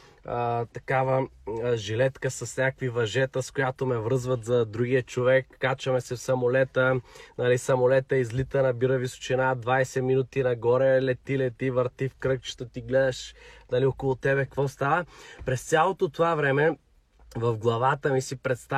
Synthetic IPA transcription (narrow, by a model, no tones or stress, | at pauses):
t̪ɐkavəʒilɛt̪kəsɐsnʲakvivɐʒɛt̪əskojat̪omɛvɾɤzvɐt̪zɐd̪ɾuɡijət͡ʃovɛkːat͡ʃɐmɛsɛfsɐmolɛt̪ənɐlisɐmolɛt̪əizlit̪ənɐbiɾəviso̥t͡ʃinad̪vajsɛminut̪inɐɡɔɾɛlɛt̪ilɛt̪ivəɾt̪ifkɾɤkt͡ʃɛ̥t̪ət̪iɡlɛd̪ɐʃnɐliɔkolˠot̪ɛbɛkəkvɔst̪avəpɾɛst̪sʲalˠot̪ot̪ovavɾɛmɛ | vɐvɡlˠɐvat̪əmisipɾɛt̪st̪a